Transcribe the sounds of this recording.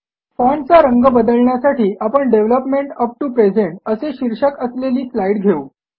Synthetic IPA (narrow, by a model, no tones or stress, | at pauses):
fɔɳt͡saɾəŋɡəbəd̪əlɳjasaʈʰiːʔapəɳɖeʋləpmeɳʈəp̚ʈupɾed͡zeɳʈəseɕiɾʂəkəsleliːslaiɽɡʱeuː